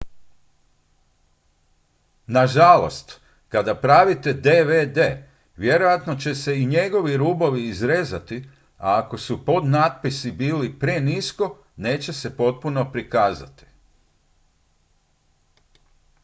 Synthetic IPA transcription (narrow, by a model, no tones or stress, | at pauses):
naʒalo̞̰st̪ | kad̪apɾaːʋit̪e̞d̪eʋed̪e̞ | ʋje̞ɾo̞jat̪no̞t͡ɕe̞se̞iɲe̞ɡo̞ʋiɾuːboʋiːzɾezat̪i | a̰ːko̞supo̞d̪naːt̪̚pisibiːlipɾe̞nisko̞ | ne̞ːt͡ɕe̞se̞po̞t̪̚puno̞pɾikaːzat̪i̥